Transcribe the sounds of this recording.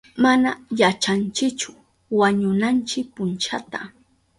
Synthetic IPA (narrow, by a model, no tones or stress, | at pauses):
manajat͡ʃant͡ʃɪkt͡ʃʊ̥ | waɲʊnant͡ʃɪk̚pʊnt͡ʃat̪a